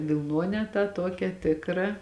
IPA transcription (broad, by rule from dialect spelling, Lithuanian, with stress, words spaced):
ʋʲɪlˠˈnuɔnʲæː tɑː ˈtuɔkʲæː ˈtʲɪkrɐ